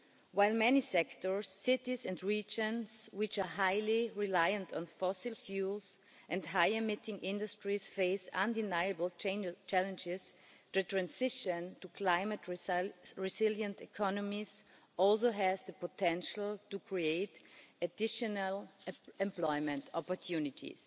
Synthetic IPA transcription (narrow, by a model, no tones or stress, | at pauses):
waɪlˠmɛnisɛktɔ˞sːɪtizɛ̃ndɹid͡ʒə̃nswɪt͡ʃa˞ɦaɪliɹilaɪə̃ntʰɔ̃n̩fɔsɪlˠfjulˠz | ʔɛ̃ndhaɪɨmɪtɪ̃ŋʔɪ̃ndɨstɹisfeɪsãndɪnaɪɨbl̩ˠt͡ʃẽnt͡ʃælə̃nd͡ʒɪztutɹæ̃nsɪʃə̃ntukʰl̥aɪmətɹɹizɪljə̃ntɪkʰɔnɔmiz | ʔɔlˠs̬oɦɛzðəpɔtʰɛ̃nʃl̩ˠtukʰɹieɪtədɪʃɔnəlɛ̃mplɔɪmɨ̃ntʰɔpɔɹtʰjunɪtʰḭs